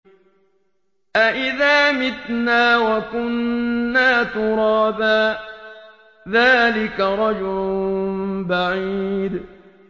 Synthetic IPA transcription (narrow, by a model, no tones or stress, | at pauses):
ʔaʔɪðaːmɪt̪naːwakʊnːaːt̪ʊɾˤɑːbaː | ðaːlɪkaɾˤɑd͡ʒʊlʊnbaʕid̪